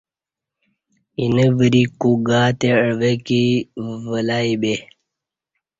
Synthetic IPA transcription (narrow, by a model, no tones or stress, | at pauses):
inəvəɾikuɡaːt̪eəʋekivəlaibe